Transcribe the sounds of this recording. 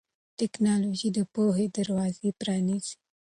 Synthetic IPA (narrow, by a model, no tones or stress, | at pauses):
ʈɛknɑloʒid̪əpoɦed̪aɾwɑzepɾɑniz̥i